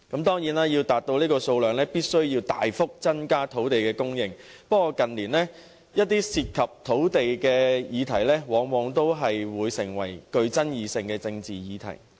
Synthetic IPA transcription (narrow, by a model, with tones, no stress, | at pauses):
kɐ˨˥mt̪ɔː˥ŋjiː˨˥naː˥jiː˧wt̪aː˨t̚t̪o˧wniː˥kɔː˧so˧wlœː˨ŋlɛː˥piː˥t̚sɵ˥ɥjiː˧wt̪a̰ː˨jfʊ˥k̚t͡sɐ˥nkaː˥t̪ʰo˨˥wt̪e˨jkɛː˧kʊ˥ŋjɪ˨ŋ | pɐ˥kɔː˧kɐ˨nliː˨˩nlɛː˥ | jɐ˥t̚t̪iː˥siː˧t̚kʰɐ˨p̚t̪ʰo˨˥wt̪e˨jkɛː˧jiː˨˧t̪ʰɐ˨˩jlɛː˥wɔː˨˥ŋwɔː˨˧ŋt̪o˥wɦɐ˨jwuː˨˧jsɪ˨˩ŋwɐ̰˨˩jkɵ˧ɥt͡sɐ˥njiː˨˧sɪ˧ŋkɛː˧t͡sɪ˧ŋt͡siː˨jiː˨˧t̪ʰɐ̰˨˩j